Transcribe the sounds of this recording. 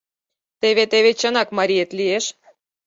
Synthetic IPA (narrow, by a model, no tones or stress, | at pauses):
t̪eβet̪eβet͡ɕənɑkmɑɾʲijet̪lieʃ